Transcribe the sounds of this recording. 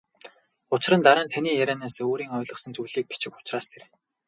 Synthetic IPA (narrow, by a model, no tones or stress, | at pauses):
ʊt͡ɕrə̆nt̪aɾaːnt̪ʰaniːjæɾʲæːnaːsoːɾiːŋɔːɮə̆χsə̆nt͡sujɮiːk̚pi̥t͡ɕɪ̆kʊ̥t͡ɕraːst̪ʰer